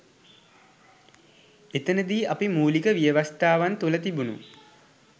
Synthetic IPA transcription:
et̪ənəd̪iːʔapimuːlikəʋijəʋast̪aːʋant̪ulət̪ibunṵ

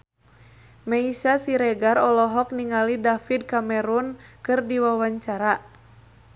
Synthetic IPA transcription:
maisasiɾɛɡaɾɔlɔɦɔk̚niŋalidafid̚kamɛɾunkɨrdiwawaɲt͡ʃaɾa

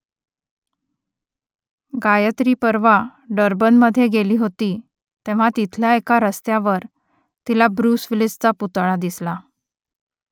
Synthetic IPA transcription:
ɡajət̪ɾiːpəɾʋaɖəɾbənməd̪ʱːjeɡeliːɦot̪iː | t̪ẽʋ̤at̪it̪ʰljaekaɾəst̪jaʋəɾ | t̪ilabɾuːsʋilid͡zt͡saput̪ɭad̪isla

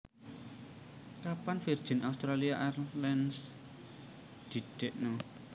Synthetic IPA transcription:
kapanfird̥ʒ̥i̤naust̪ɾaliaʔarlɛns | d̪̥i̤ɖ̪̥eʔnɔ

